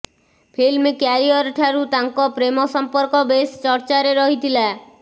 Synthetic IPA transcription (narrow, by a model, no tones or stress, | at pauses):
pʰilmekaɾiɔɾʈʰaɾut̪aŋkɔpɾemɔsɔmpɔɾkɔbest͡ʃɔɾt͡ʃaɾeɾɔɦit̪ʰila